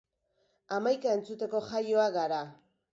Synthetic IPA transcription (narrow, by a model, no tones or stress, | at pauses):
amajkae̞nt͡sut̪e̞ko̞ʝajo̞aɡaɾa